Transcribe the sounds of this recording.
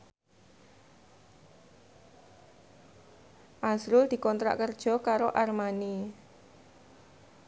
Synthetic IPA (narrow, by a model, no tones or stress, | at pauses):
ʔasɾʊld̪̥i̤kɔnt̪ɾa̰ʔkərd̥ʒ̥ɔ̤kaɾoʔarmani